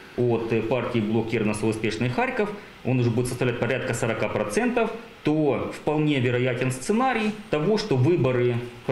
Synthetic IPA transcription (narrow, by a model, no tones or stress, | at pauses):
ot̪partʲɪɪblˠokʲirəvnəsəʊspʲeʂnɨjxaɾʲkəf | o̞nʊʐɛbudʲɪt̪səst̪ɐvlʲætʲpɐɾʲat̪̚kəsəɾɐkapɾɐt̪sɛnt̪əf | t̪ofpɐlˠnʲe̞vʲɪɾɐjætʲɪnst̪sɨnaɾʲɪjt̪ɐvo̞ʂt̪o̞vɨbəɾɨ